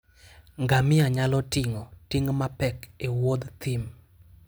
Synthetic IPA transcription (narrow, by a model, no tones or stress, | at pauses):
ŋɡamɪaɲalɔtɪŋɔtɪŋmapɛkewod̪t̪ɪm